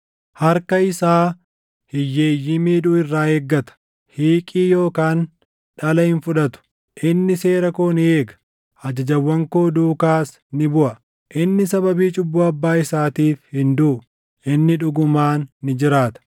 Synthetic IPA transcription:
hɐɾkɐɪsaː | hɪjːe̞ːjːɪmiːᶑʊɪrːaːeːɡːɐt̪ɐ̥ | hiːkʼiːjo̞ːkaːn | ᶑɐlɐhɪnfʊᶑɐt̪ʊ̥ | ʔɪnːɪse̞ːɾɐkoːnɪe̞ːɡɐ̥ | ɐd͡ʒɐd͡ʒɐwːɐŋko̞ːd̪uːkaːs | nɪbʊʔɐ | ʔɪnːɪsɐbɐbiːt͡ʃʼʊbːʊːɐbːaːɪsaːt̪iːfhɪnd̪ʊʔʊ | ʔɪnːɪᶑʊɡʊmaːnːɪd͡ʒɪɾaːt̪ɐ̥

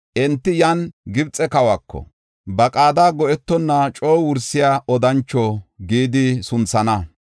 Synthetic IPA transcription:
ʔɛnt̪ːɪjɐnɡɪbt͡sʼːɛkɐwakːɔ̰ | bɐkʼaːd̪aːɡɔʔɛt̪ːɔnːɐt͡ʃʼoːwʊɾsɪjaːɔd̪ɐnt͡ʃːɔɡiːd̪ɪsʊnt͡sːɐnɐ

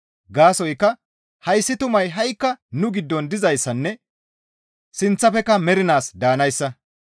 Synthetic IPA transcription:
ɡaːsɔjkːɐ | hɐjsːɪt̪ʊmɐjɦɐjkːɐnʊɡɪd̪ːɔnd̪ɪzɐjsːɐnːɛ | sɪnt͡sːɐfɛkːɐmɛɾɪnaːsd̪aːnɐjsːɐ

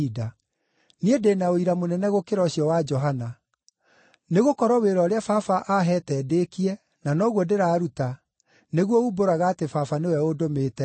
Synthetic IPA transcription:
ida | niedenaoiɾamonɛnɛɣokeɾɔɕiɔwad͡ʒɔɦana | neɣokɔɾɔweɾɔɾeafafaʔaɦɛtɛdekiɛ | nanɔɣwɔdeɾaːɾuta | neɣwɔuboɾaɣaːtefafanewɛodomeːtɛ

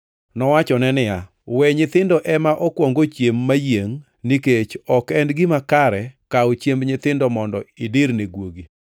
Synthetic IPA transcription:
nɔwat͡ʃɔnɛnɪja | wɛɲɪt̪ɪndɔʔɛmaʔɔkwɔŋɡot͡ʃjemːajeŋ | niket͡ʃɔkɛndɡɪmakaɾɛkaot͡ʃjembɲɪt̪ɪndɔmɔndɔideɾneɡwoɡi

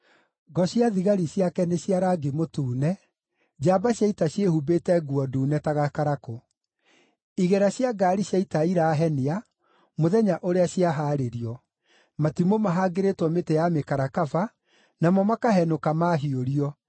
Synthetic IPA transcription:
ɡɔɕjaðiɣaɾiɕjakɛneɕjaɾaɡemotuːnɛ | d͡ʑaːbaɕjaitaɕjehubetɛɡuɔduːnɛtaɣakaɾako | iɣɛɾaɕjaɡaːɾiɕjaitaiɾaːɦɛnea | moðɛɲaʔoɾeaɕjaɦaːɾeɾiɔ | matimomaɦaɡeɾetwɔmetejamekaɾakafa | namɔmakaɦɛnokamaɦioɾiɔ

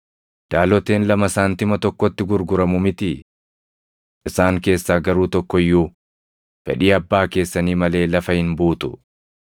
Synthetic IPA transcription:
d̪̥aːlɔt̪eːnlɐmɐsaːnt̪ɪmɐt̪ɔkːɔt̪ːɪɡʊɾɡʊɾɐmʊmɪt̪ɪ | ʔɪsaːŋke̞ːsːaːɡɐɾuːt̪ɔkːɔjːu | fɛ̰ᶑiːɐbːaːke̞ːsːɐniːmɐle̞ːlɐfɐhɪnbuːt̪ʊ

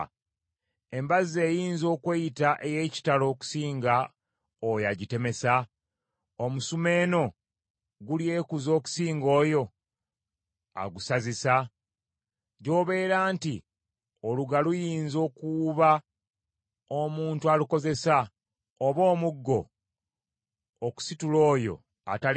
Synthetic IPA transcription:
e̞mbazejiːnzo̞ːkwejitaʔeje̞ːci̥talo̞ːku̥siːŋɡa | ojaɟite̞me̞sa | omusume̞ːno̞ | ɡulje̞ːkuzo̞ːku̥siːŋɡo̞ːjo̞ | a̰ɡusazisa | ɟo̞ːβe̞ːɾaːnti | oluɡalujiːnzo̞ːkuβa | omuːntualuko̞ze̞sa | oβo̞ːmuɡːo̞ | ku̥situlo̞ːjo̞̰ | a̰ta

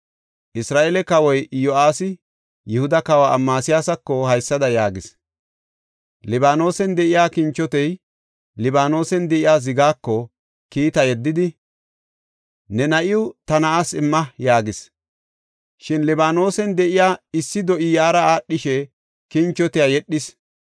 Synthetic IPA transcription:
ʔɪsɾaːʔeːlɛkɐwɔjjɔʔaːsɪ | jɪhʊd̪ɐkɐwa̰ːmːaːsɪjaːsɐkːɔhɐjsːɐd̪ɐjaːɡɪs | lɪbaːno̞ːsɛnd̪ɛʔɪjaːkɪnt͡ʃːɔt̪ɛj | lɪbaːno̞ːsɛnd̪ɛʔɪjaːz̬ɪɡaːkːɔ | kiːt̪ɐjɛd̪ːɪd̪ɪ | nɛnɐʔɪʊt̪ɐnɐasɪmːɐjaːɡɪs | ʃɪnlɛbaːno̞ːsɛnd̪ɛʔɪjaːɪsːɪd̪ɔʔɪjaːɾɐaːɗːɪʃɛ | kɪnt͡ʃːɔt̪ɪjaːjɛɗːɪs

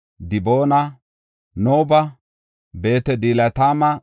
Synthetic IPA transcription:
d̪ɪboːnɐ | noːbɐ | be̞ːt̪ɛd̪iːlɐt̪aːmɐ

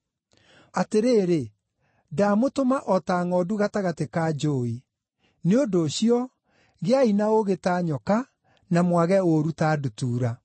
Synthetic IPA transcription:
ateɾeːɾe | damotomaʔɔtaŋɔduɣataɣatekaːd͡ʒoi | neondoːɕiɔ | ɣeainaoɣetaːɲɔka | namwaɣɛoɾutaːdutuːɾa

